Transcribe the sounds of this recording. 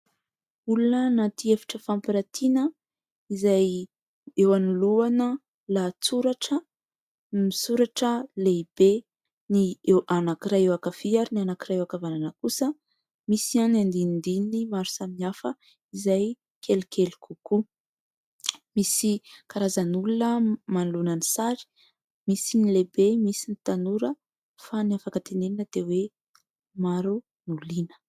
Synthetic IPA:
ulunənat̪iefi̥ʈ͡ʂəfampiɾat̪ʰinə | izaj | ewanuluanə | lat͡suɾaʈ͡ʂə | misuɾaʈ͡ʂəleib̥e | niewʔanakiɾaewakafiaɾinianakiɾaewakavananəkusə | misianand̪innd̪inimaɾu̥saminafə | izaj | kʰelikʰelu̥kuku | misikaɾazənulunəmanlunənisaɾi̥ | misinilebemisinit̪anuɾə | faniafakət̪eneinəd̪ewe | maɾu | nulinə̥

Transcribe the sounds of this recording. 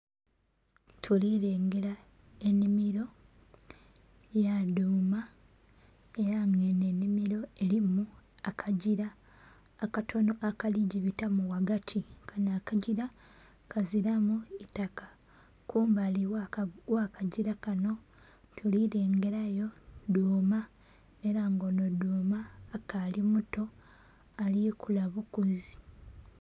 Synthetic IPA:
tʰuliɾe̞ːŋɡe̞ɾa | e̞nimiɾo̞ | jaduːma | e̞ɾaŋɡenenːimiɾo̞e̞limuakʰaɟiɾaː | katʰo̞no̞ʔakaliɟiβitamuwaɡatʰikʰanakaɟiɾa | kʰaziɾamuitakḁ | kuːmbaliwakaɟiɾakano̞ | tʰuliɾe̞ːŋɡe̞ɾajo̞duːma | eɾaŋɡo̞noduːmaːkalimuto̞ | alikulaβukuzi

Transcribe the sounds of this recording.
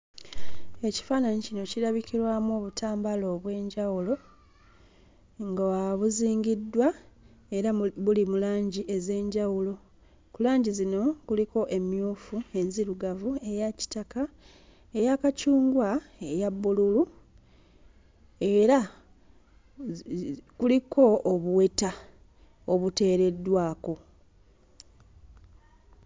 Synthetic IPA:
e̞ci̥faːnaɲicino̞ciɾaβikiɾwaːmuoːβutʰaːmbalo̞ːβwe̞ːɲɟawulo̞ | ŋɡawaβuziːŋɡidːwa | e̞ɾaβulimulaːɲɟiʔe̞ze̞ːɲɟawulo̞ | kulaːɲɟizino̞kuliko̞ʔe̞mjuːfue̞nziɾuɡavue̞jaci̥taka | e̞jakacuːŋɡwaejabːululu | e̞ɾa | kuliko̞oβuwe̞ta | oβute̞ːɾe̞dːwaːko̞

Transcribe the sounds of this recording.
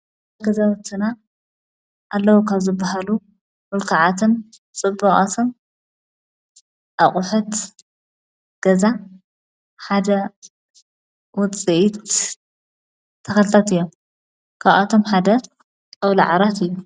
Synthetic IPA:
ɡɐzawt̪ʰːɨna | ʔalːɐwukʰaβzɨbːahalu | mʊlkʰaʕat̪ʰɨn | t͡sʼɨbːɐχʼat̪ʰom | ʔaχʼʊħut̪ | ɡ̥ɐza | ħad̪ɐ | wʊt͡sʼiʔit̪ | t̪ʰːɐxɐlt̪ʰɐt̪ɨjːom | kʰaβʔat̪ʰo̞mħad̪ɐt̪ | awla̰ʕaɾat̪ɨjːu

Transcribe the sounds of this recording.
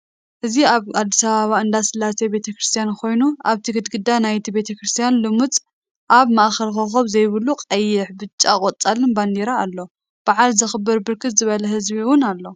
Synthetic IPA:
ʔɨziaβad̪ːisaβaβaɨnd̪asɨlːasebe̞t̪ʰɐkɾɨst̪ʰijankʰo̞jnuaβt̪ʰiɡɨd̪ɡɨd̪ːanajt̪ʰibe̞t̪ʰɐkɾɨst̪ʰijanlɨmut͡sʼ | ʔaβmaʔxɐlxɐxoβzɐjβɨluqʼɐjːɪħbɨt͡ʃʼːakʼot͡sʼalɨnband̪eɾaːlːo̞ | b̥aʕalzɨxɨbːɨɾbɨɾkʰɨt̪zɨβɐlɐɦɨzbiɨwʊnalːo̞

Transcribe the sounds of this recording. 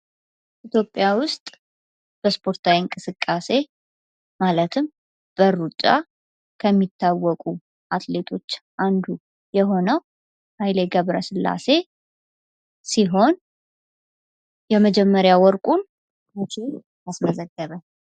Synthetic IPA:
ʔit̪ʰjo̞pʼːjawʊst̪ʼ | b̥əspʰo̞ɾt̪ʰawiŋkʼɨsɨkʼːase̞ | malət̪ʰɨm | b̥əɾːut͡ʃʼːa̰ | kʰəmːit̪ʰːawːɔkʼu | ʔat̪ʰʼle̞t̪ʰo̞t͡ʃːʔand̪u | jɛɦo̞nəw | hajleɡəβɾə̰sɨlːa̰se̞ | siɦo̞n | jɛməd͡ʒɛmːəɾjawɔɾkʼun | mut͡ʃʰe | asməzəɡːəβə

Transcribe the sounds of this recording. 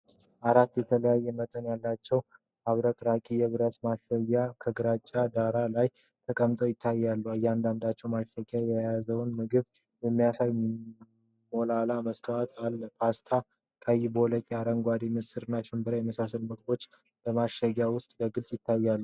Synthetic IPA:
ʔaɾat̪ːjɛt̪ʰələjajːɛmət̪ʼənjalːat͡ʃːɛw | aβɾək̪ʼɾakʼijɛβɨɾəsmaʃəɡakʰəɡɨɾat͡ʃʼːad̪aɾalaj | t̪ʰəkʼəmt̪ʼəwjɪt̪ʰːajːalːuəjːand̪and̪at͡ʃːɛwmaʃəɡajɛjazəwnmɨɡɨβ | jɛmːijasaj | molalaməsk̪ʰawat̪ʰalːpʰast̪ʰa | kʼʰajːbəwɔləkʲʼiaɾəŋɡʷad̪imɨsɨɾɨnːaʃɪmbɨɾajɛməsasəlməkʼbo̞t͡ʃː | bəmaʃəɡjawʊst̪ʼbəɡɨlsʼjɪt̪ʰːajːalːu

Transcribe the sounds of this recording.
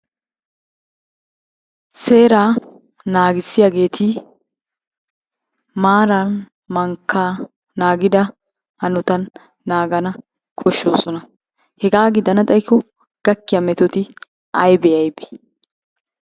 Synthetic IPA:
se̞ːɾaː | naːɡɪsːɪjaɡe̞ːt̪ʰɪ | maːɾɐn | mɐŋkːaː | naːɡɪd̪ɐ | hɐnʊt̪ɐnː | aːɡɐnɐ | kʰɔʃːo̞ːsɔnɐ | hɛɡaːɡɪd̪ɐnɐt̪ʼɐjkːɔ | ɡ̥ɐkːɪjamɛt̪ɔt̪ɪ | ɐjbɛɐjbe̥

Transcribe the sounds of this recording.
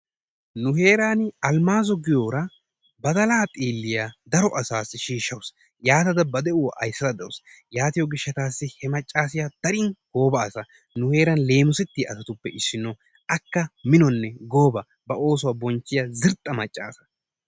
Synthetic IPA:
nʊhe̞ːɾaːnɪɐlmaːzɔɡɪjoːɾɐ | bɐd̪ɐlaːt̪ʼiːlːɪjaːd̪ɐɾɔʔɐsaːsːɪʃiːʃːɐws | jaːt̪ɐd̪ɐbɐd̪ɛʊwʔɐ̰jsːɐd̪ɐd̪ɛwʊs | jaːt̪ɪjɔɡɪʃːɐt̪aːsːɪhɛmɐt͡ʃʼːaːs̬ɪjad̪̥ɐɾɪnɡ̥o̞ːbɐːsɐ | nʊhe̞ːɾɐnle̞ːmʊsɛt̪ːɪʔɐsɐt̪ʊpːɛʔɪsːɪnːo | ʔɐkːɐmɪnɔnːɛɡo̞ːbɐ | bɐʔo̞ːs̬ʊwabɔnt͡ʃːɪjɐzɪɾt̪ʼːɐmɐt͡ʃʼːa̰ːsɐ̥

